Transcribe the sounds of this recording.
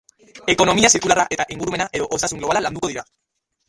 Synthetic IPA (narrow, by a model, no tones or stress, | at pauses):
e̞ko̞no̞miasiɾkulaɾaʔe̞t̪aʔeŋɡuɾume̞naʔe̞ðo̞ʔosasuŋɡloalaland̪uko̞ðiɾa